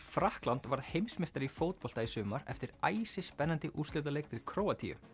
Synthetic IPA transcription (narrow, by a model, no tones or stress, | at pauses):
fɾahklant̪vaɾ̥hejmsmɪst̪aɾifoːwt̪̚pɔl̥t̪aisʏːmaɾɛ̰ft̪ɪɾaːjsɪspɛnːant̪ɪʔust̪lɪːt̪̬alejkt̪ɪɾkʰɾoːwat̪ʰḭjʏ̰